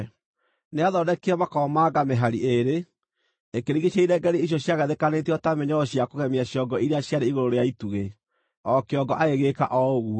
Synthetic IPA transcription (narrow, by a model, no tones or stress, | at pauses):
neaðɔdɛkeɛmakɔmaɡameɦaɾieɾe | ekeɾiɣeɕjaiɾɛɡɛɾeijɔɕjaɣɛðekanetɛɔtamɛɲɔɔɕjakoɣɛmiaɕiɔɡɔiɾeaɕjaɾeiɣoɾoɾeaituɣe | ɔkeɔɡɔʔaeɣekaʔɔoɣu